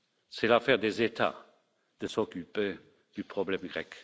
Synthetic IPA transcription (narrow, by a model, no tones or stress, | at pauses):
sɛlafɛʁd̪ezet̪a̰ | d̪̥əsɔkype | d̪̥ypχɔblɛmɡʁɛk